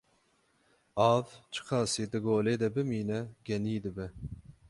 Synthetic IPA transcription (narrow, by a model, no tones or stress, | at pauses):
ɑːvt͡ʃʰɨ̥qʰɑːsiːd̪ɨɡoːleːd̪ɛbɨmiːnɛɡʲɛniːd̪ɨbɛ